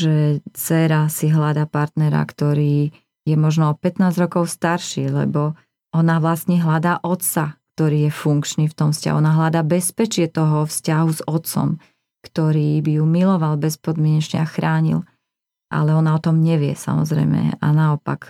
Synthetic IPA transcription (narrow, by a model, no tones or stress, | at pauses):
ʒɛt͡sɛɾasiɦlad̪apaɾt̪nɛɾa̰kt̪ɔɾiː | jɛmɔʒnɔɔpɛt̪naːzɾɔkɔʊst̪aɾʃiːlɛ̰bɔ | ɔnaʋlast̪ɲɛɦlad̪aːʔɔt̪sak̚t̪ɔɾiːjɛfuŋkt͡ʃniːft̪ɔmfsca̰ɦuɔnaɦlad̪aːbɛspɛt͡ʃɪɛt̪ɔɦɔfscaɦuzɔt̪t͡sɔ̰m | kt̪ɔɾiːbijumilɔʋalbɛspɔd̪mjɛɲɛt͡ʃɲɛaxɾaːɲḭl | ʔa̰lɛɔnaɔt̪ɔmɲɛʋɪɛ̰sa̰mɔ̰zɾɛ̰jmɛ̰a̰naɔpa̰k